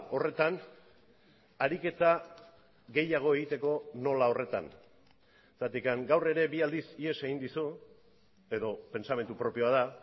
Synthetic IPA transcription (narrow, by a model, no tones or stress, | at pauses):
o̞re̞t̪an | aɾike̞t̪a | ɣe̞jaɣ̞o̞e̞ɣ̞it̪e̞ko̞no̞lao̞re̞t̪a̰n | sat̪ikaŋɡawre̞ɾe̞biald̪isie̞se̞ɣind̪isu | e̞ðo̞pe̞nt͡same̞nt̪upɾo̞pio̞aða